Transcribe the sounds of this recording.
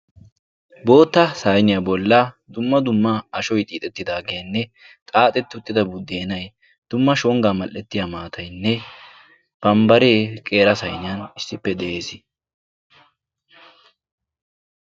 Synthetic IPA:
bo̞ːt̪ːɐsaːjnɪjɐbɔlːɐ | d̪ʊmːɐd̪ʊmːɐɐʃɔjt̪ʼiːt̪ʼɛt̪ːɪd̪aːɡejɐnːɛ | t̪ʼaːt̪ʼɛt̪ːʊt̪ʼːɪd̪ɐbʊd̪ːeːnɐj | d̪̥ʊmːɐʃɔŋɡamɐlʔɛt̪ːɪjamaːt̪ʰɐjnːɛ | b̥ɐmbɐɾeːkʼe̞ːɾɐsɐjnɪjɐnɪsːɪpːɛd̪ɛʔeːsɪ

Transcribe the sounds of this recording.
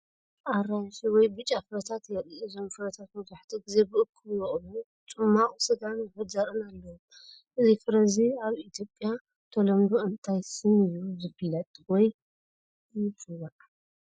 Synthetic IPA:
ʔaɾaʃwɔjbɨt͡ʃʼːafɨɾɐt̪ʰat̪jɛɨzo̞mfɨɾɐt̪ʰat̪mɐβzaħt̪ʰiɡɨze̞bɨʔɨkʰːɨβjɛχʼlu | t͡ʃʼɨmːaχʼusɨd̪anzɨfɐzaɾɨnalːɐwom | ʔɨzifɨɾɐziaβit̪ʰjo̞pʼːja | t̪ʰolɐmd̪oʔɨnt̪ʰajsɨnɨjːuzɨbilɐt̪wɔj | jsʼɨwaʔ

